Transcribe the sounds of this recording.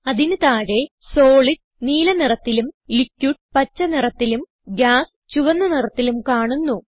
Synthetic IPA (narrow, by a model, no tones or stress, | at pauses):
ɐðinut̪aːɻe̞ | soːɭi | niːlɐnirɐt̪ːilumlikʲːjuʈ̚pɐt͡ɕːɐnirɐt̪ːilum | ɡʲaːs | t͡ɕuʋɐnːɐnirɐt̪ːilumkaːɳunːu